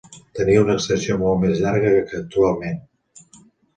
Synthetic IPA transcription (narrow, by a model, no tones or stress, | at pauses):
t̪əniunəkst̪əsiomolˠt̪mezʎaɾɣəkək̚t̪ualˠmen